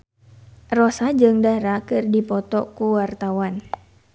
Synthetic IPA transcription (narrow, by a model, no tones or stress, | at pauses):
rɔsad͡ʒɨŋdaɾakɨrdipɔt̪ɔkuwart̪awan